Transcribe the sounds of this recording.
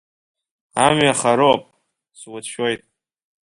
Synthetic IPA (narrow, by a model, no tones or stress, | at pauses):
amɥaχaɾoopʼ | swʊtʃojtʼ